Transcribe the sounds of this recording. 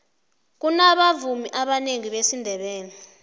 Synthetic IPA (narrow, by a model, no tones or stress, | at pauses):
k̬unaɓavumiʔaɓaneŋiɓesindʱɛɓɛːni